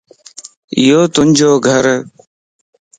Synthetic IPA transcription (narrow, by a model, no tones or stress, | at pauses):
joːt̪ʊnʲd͡ʒoːɡʱəɾ